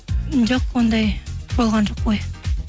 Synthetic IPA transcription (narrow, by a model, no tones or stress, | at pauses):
d͡ʒoqwond̪ɑjb̥olˠʁɑnʒoq̚boj